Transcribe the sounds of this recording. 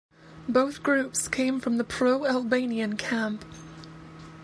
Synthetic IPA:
boʊθɡ̥ɹʉpskʰẽɪ̃ɱfɹʌ̃mðəpʰɹ̥oʊælˠbẽɪ̃niɨ̃nkʰæ̃mp

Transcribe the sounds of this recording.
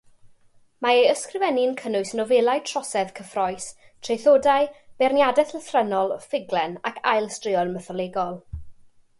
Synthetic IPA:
maejəskrɪvɛnɪnkʰənʊɨsnɔvɛlˠajtʰrɔsɛv̥kʰəfrɔɨs | tʰrejθoːdajb̥ɛrnjadɛθləθrɛnɔlˠfɪɡlɛnakʰa̰jlˠstrɪɔnməθɔlˠeːɡɔlˠ

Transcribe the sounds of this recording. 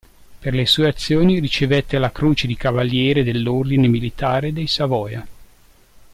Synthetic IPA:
perlesuːeat̪sːjoːnirit͡ʃevet̪ːelakɾuːt͡ʃed̪ikavalːjɛːɾed̪elːord̪inemilit̪aːɾed̪ejsavɔːja

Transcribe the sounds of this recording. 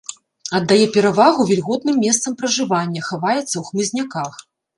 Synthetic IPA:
ɐd̪ːajɛpʲɛɾavaɣuvʲɛlʲɣɔt̪nɨmːʲɛst̪sɐmpɾɐʐɨvanʲːɐxavajɛt̪sːɐwxmɨzʲnʲakax

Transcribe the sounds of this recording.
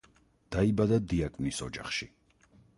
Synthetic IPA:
d̪̥aibad̪ad̪iakʼvnisɔd͡ʒa̰χʃi

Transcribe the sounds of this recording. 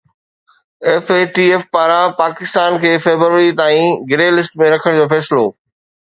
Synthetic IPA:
eːfeːʈiːeːfpaːɾãpaːkɪst̪aːnkʰeːfeːbəɾʋəɾit̪aːĩɡɪɾelɪsʈmẽɾɐkʰəɽ̃d͡ʑoːfɛːsɪloː

